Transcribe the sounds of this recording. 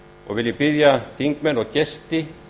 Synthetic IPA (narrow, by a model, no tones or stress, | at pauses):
ɔ̰ɣvɪlɪpɪðjaθiŋkmɛnɔɣcɛst̪ɪ